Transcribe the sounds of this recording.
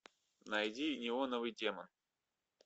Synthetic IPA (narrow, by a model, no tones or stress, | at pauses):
nɐjdʲinʲɪvonovɨjdʲemən